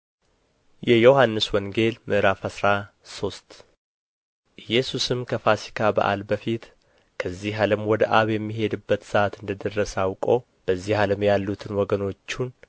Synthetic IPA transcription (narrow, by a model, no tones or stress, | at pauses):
jɛjohanːɨswɔŋɡe̞lmɨʔɨɾafəsɾa | so̞st̪ | ʔɨjːɛsusɨmkʰəfasi̥kʰabə̰ʔa̰lbəfit̪ | kʰəzːiɦaləmwɔd̪əʔaβjɛmːiɦe̞d̪ɨbːət̪səʔat̪ɨnd̪əd̪ərːəsawkʼo̞ | b̥əzːihaləmjalːut̪ʰɨnwɔɡəno̞t͡ʃːun